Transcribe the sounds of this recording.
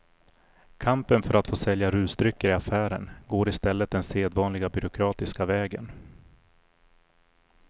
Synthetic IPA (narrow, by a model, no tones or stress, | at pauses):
kʰampənfœɾat̪foːsɛljaɾʉ̟ːsd̪ɾʏkːəɾɪafæːɾə̰nɡoːɾɪst̪ɛlːət̪̚d̪ɛnseːd̪vɑːnlɪɡabʏɾʊkʰɾɑːt̪ɪskavɛːɡən